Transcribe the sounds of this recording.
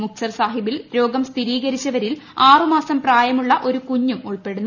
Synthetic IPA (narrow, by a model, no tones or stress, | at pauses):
muk̚t͡ɕɐrsaːɦibilɾo̞ːɡɐmst̪ʰiɾiːɡɐɾit͡ɕːɐʋɐɾilaːrɨmaːsɐmpraːjɐmuɭːɐʔo̞ɾukuɲːumuɭpe̞ɽunːu